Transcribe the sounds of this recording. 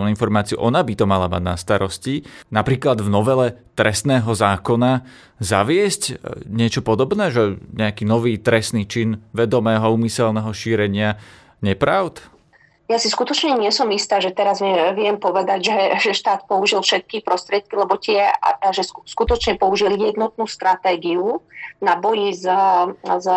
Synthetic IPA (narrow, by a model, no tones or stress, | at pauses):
ninfɔɾmaːt͡siṵʔɔnabit̪ɔmalamaɟna̰st̪aɾɔscinapɾiːklad̪vnɔʋɛlɛt̪ɾɛst̪nɛːɦɔzaːkɔna | za̰ʋɪɛscɲɪɛt͡ʃɔpɔd̪ɔbnɛːʒɛɲɛakiːnɔʋiːt̪ɾɛst̪niːt͡ʃinʋɛd̪ɔmɛːɦɔuːmisɛlnɛɦɔʃiːɾɛɲɪa | ɲɛpɾaʊt̪ | jasiskut̪ɔt͡ʃɲɛɲɪɛsɔmist̪aːʒɛt̪ɛɾazɛʋɪɛmpɔʋɛd̪aɟʒɛʒɛʃt̪aːt̪pɔuʒilfʃɛt̪̚kipɾɔst̪ɾɪɛt̪̚kilɛbɔc̪ɪɛa̰ʒɛskut̪ɔt͡ʃɲɛpɔuʒiljɛd̪nɔt̪̚nuːst̪ɾat̪ɛːɡiunabɔjiz | z